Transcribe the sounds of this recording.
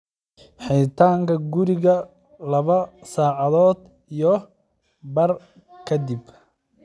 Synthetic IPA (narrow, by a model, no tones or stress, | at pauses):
ħɛjt̪ʰaːŋkʰɐɡʊɾɪɣɐ | lɐβɐsaːʕɑðɔːd̪ | ijɔ | bɐr | kʰɐd̪ɪb